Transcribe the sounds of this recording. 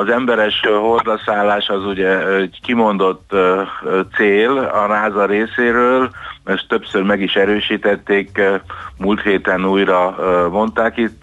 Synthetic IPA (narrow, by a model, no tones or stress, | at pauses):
ɒzɛmbɛɾɛʃɦo̞ld̪ɒsaːlːaːʃɒzuɟɛɛkimo̞nd̪o̞t̪ːtseːlɒnaːzɒɾeːseːɾøːløst̪ːøpsørmɛɡiʃɛɾøːʃiːt̪ɛt̪ːeːkmult̪heːt̪ɛnuːjrɒmo̞nt̪aːkit̪